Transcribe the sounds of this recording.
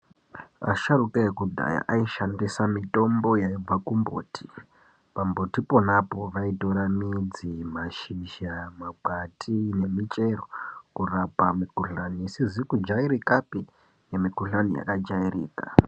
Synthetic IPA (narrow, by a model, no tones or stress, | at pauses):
a̰ʃarukaekudʱa̰ja̰ʔaiʃandisamito̞mbo̞jaiakumbo̰ːtʰi̥ | pambo̞tipo̞napo̞ʋaitoɾamid͡zimaʃiʒamaɡ͡batʰine̞mit͡ʃe̞rokurapamikuɬaniːsizikud͡ʒaiɾikapi | jemikuɬanija̰kad͡ʒairḭːka̰